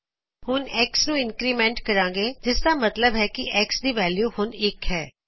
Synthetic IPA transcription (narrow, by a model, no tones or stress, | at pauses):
hʊnɛːksnũːɪnkɾiːmɛ̃ːɳʈkəɾãːŋɡeːd͡ʒɪsd̪aːmət̪ləbɦɛːkɪʔɛːksd̪iːʋɛːljuːhʊnɪkɦɛː